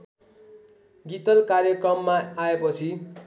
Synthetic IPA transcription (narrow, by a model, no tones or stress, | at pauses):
ɡit̪ʌlkarjʌkrʌmːaːepʌt͡sʰi